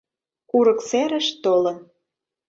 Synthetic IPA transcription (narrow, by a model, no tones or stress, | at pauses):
uɾə̆kseɾə̆ʃt̪olə̆n